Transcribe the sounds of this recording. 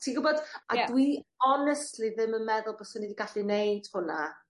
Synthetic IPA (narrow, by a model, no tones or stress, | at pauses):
tʰiɡʊbɔd̥a̰dwiɔnɛstliðɪmənmɛðʊlˠbɔsɔnːidiɡaɬineɨd̥hʊna